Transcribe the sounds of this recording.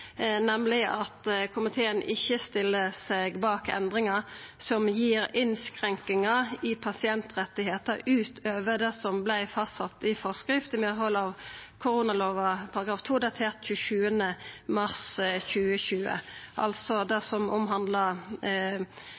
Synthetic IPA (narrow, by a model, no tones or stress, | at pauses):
nɛmlɪʔɑt̪kʰʊmɪt̪ʰeːənʔɪçːəst̪ɪlːəseɡbɑːkɛ̰nd̪ʁɪŋɑsɔmjiːɾɪnskʁɛŋkɪŋɑɪpʰɑsɪɛnt̪ʁɛt̪ːɪheːt̪əɾʉːt̪ʰøːʋəd̪ɛsɔmblæɪfɑstːɑt̪ːɪfɔʁskʁɪft̪ɪmɛɦɔlɑːʋkʰʊʁuːnɑloːʋɑpʰɑɾɑɡʁɑːʋt̪ʰuːd̪ɑt̪ʰeːʁt̪çʉːəʃʉːənəmɑʁsçʉːəçʉːə̰ʔɑ̰lsɔd̪ɛsɔmʊ̰mɦɑnd̪lə